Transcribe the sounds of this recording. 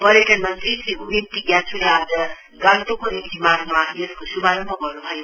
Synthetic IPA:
pʌɾekanmʌnt̪ɾisiubint̪iɡjãt͡sʰuɾad͡zʌ | ɡãnt̪okonint̪imaɡmajeskosubʱaɾʌmbʱʌɡʌrnut̪ʰʌjo

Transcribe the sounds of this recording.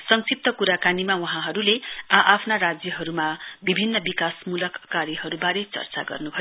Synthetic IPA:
sʌŋsip̚t̪ʌkuɾakanimawʌɦãɦʌɾuleaʔapʰnarad͡zjʌɦʌɾumabibʱinːʌbikasmulʌkːaɾjiɦʌɾubaɾet͡sʌ̰rt͡sa̰ɡʌ̰rnubʱʌjo

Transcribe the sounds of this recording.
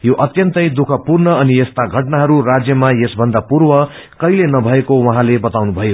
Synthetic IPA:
joʔʌt̪jʌnt̪ʌjd̪ukʰʌpurnʌʌnijest̪aɡʱʌʈnaɦʌɾurad͡zjʌmajesbʱʌnd̪apurwʌ | kʌilenʌbʱʌekowʌɦãlebʌt̪awnubʱʌjo

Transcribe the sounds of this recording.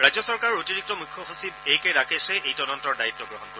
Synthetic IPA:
ɹajzjɔsɔɹkaɹɔɹotiɹik̚tɔmukʰːɔxasibejkejɹakesɛejtɔdɔntɔɹdaitːɔɡɹɔɦɔntɔ

